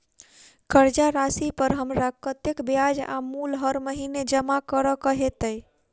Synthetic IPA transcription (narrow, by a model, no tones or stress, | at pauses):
kəɾd͡ʒaɾasipəɾɦəmɾakət̪jekbjad͡ʒa̰mulɦəɾməɦined͡ʒəmakəɾɔkəɦet̪əj